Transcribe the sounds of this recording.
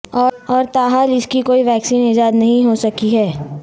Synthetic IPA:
ɔːɔːɾt̪aːɦaːlɪskikoːiʋɛːksiːnɪd͡ʒaːd̪nɐɦĩɦosɐkiɦɛː

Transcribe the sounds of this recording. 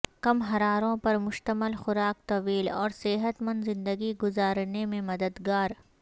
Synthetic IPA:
kɐmɦɐɾaːɾõpɐɾmʊʃt̪əməlxʊɾaːk̚t̪ɐʋiːlɔːɾseːɦət̪mɐ̃nd̪zɪ̃nd̪əɡiɡʊzaːɾnemẽmɐd̪əd̪ɡaːɾ

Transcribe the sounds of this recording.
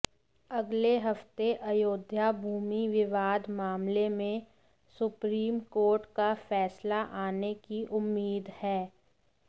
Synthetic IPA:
ɐɡleɦɐft̪eʔɐjoːd̪ʱjabʱuːmiʋɪʋaːd̪maːmlemẽ | sʊpɾiːmkoːɾʈkafɛːslaʔaːnekiʔʊmːiːd̪hɛː

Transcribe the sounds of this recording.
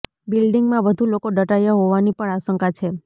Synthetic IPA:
bilɖiŋɡmãʋəd̪ʱulokoɖəʈajaɦoʋanipəɳaʃəŋkat͡ʃʰe

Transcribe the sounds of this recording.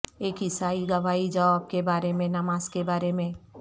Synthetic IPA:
eːkɦɪsaːiɡɐʋaːid͡ʒɐʋaːb̚kebaːɾemẽnɐmaːzkebaːɾemẽ

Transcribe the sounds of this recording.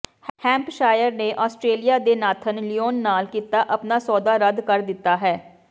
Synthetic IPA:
hɛ̃ːmpʃaːjəɾneːʔɔːsʈɾeːlijaːd̪eːnaːt̪ʰənlijoːnːaːlkiːt̪aːʔəpnaːsɔːd̪aːɾəd̪kəɾd̪ɪt̪ːaːɦɛː

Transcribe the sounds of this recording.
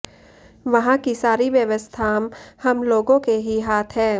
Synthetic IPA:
ʋɐɦãkisaːɾiʋjəʋəst̪ʰaːmhɐmloːɡõkeɦiɦaːt̪ʰɦɛ̃ː

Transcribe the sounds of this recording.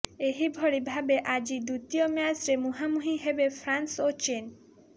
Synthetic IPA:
eɦibʱɔɽibʱabeʔad͡ʒid̪ut̪ijomeasɾemuɦamuɦiɦebepʰɾansot͡ʃen

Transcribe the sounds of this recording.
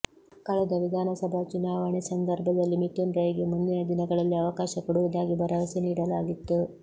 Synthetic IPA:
kɐɭɛd̪ɐʋid̪ʱaːnɐsɐbʱɐt͡ʃunaːʋɐɳisɐnd̪ɐɾbʱɐd̪ɐlːimiʈːunɾɐjɐɡemund̪inɐd̪inɐɡɐɭɐlːiɐʋɐkaːʃɐkɔɽuʋɐd̪aːɡibɐɾɐʋɐsiniːɽɐlaːɡit̪ːu

